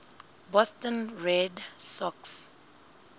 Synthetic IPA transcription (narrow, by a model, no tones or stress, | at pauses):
bɔstɔ̃nɹɛdsɔks